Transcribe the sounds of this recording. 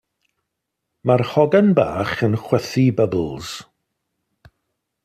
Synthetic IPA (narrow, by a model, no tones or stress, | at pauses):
marhɔɡanba̰ːχənχwɛθibəbl̩ˠz̥